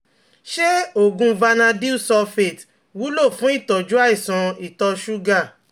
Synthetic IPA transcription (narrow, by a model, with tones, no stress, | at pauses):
ʃe˦o˦˨ɡũ˧va˧nã˧di˦u˦˨sɔ˧fe˦˨t | wu˨˦lo˦˨fũ˨˦i˦˨tɔ˨d͡ʒu˦a˦i˦˨sã˨˧i˨tɔ˧ʃu˦ɡa˦˨